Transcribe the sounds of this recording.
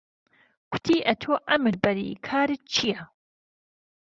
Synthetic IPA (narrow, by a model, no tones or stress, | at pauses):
kʷʰʊ̥t̪ʰiːʔɐt̪ʰoːʔɐmɨɾbɐɾḭkʰaːɾit͡ʃʰija